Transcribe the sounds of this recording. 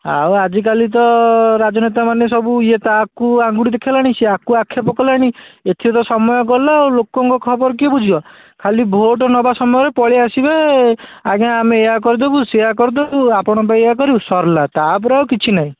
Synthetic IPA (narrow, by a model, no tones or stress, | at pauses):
a̰wad͡ʒik̬alit̪ɔɾad͡ʒɔnet̪amanesɔbuiet̪akuaŋɡuɽid̪ekʰilaɽ̃ĩseakuakʰːjapɔkɔlaɽ̃iet̪ʰiɔt̪ɔsɔmɔjɔkɔlawlokɔŋkɔkʰɔbɔɾɔk̬ebud͡ʒʱibɔ | kʰalibʱoʈɔnɔbasɔmɔjɔɾepɔɭiasibe | aɡãːmeeak̬ɔɾd̪ebuseakɔɾd̪ebuapɔɽ̃ɔpajeakɔɾisɔɾlat̪ap̬ɔɾawkit͡ʃʰinaɦĩ